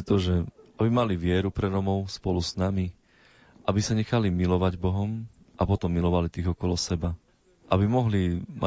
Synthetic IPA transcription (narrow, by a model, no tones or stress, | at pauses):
t̪ɔʒɛabimaliʋɪɛɾupɾɛɾɔmɔʊspɔluznami | ʔabisaɲɛxalimilɔʋaɟbɔɦɔm | ʔapɔt̪ɔmːilɔʋalit̪iɣɔkɔlɔsɛba | ʔabimɔɦlima̰